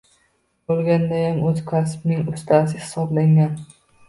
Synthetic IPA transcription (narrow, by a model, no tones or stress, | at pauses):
bolˠɡʲand̪ajamʔɵzkʰasbnɪŋʊst̪ʰasɪhɪ̥sɒblaŋɡʲan